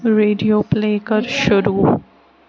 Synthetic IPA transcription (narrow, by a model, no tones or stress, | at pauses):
ɾeːɖijoːpleːkəɾʃʊɾuː